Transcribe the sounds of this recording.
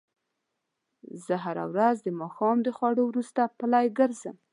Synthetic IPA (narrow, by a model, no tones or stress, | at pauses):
zəɦaɾa̰wɾazd̪əmɑxɑmd̪əxwɑɽowɾust̪apəlɑjɡəɾzəm